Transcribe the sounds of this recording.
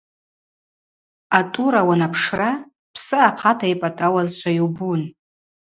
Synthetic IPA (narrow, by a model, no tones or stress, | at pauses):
atʼuɾawanapʰʂra | pʰsɨaqʰatʰajpʼatʼawazt͡ʃʷʰajiwbun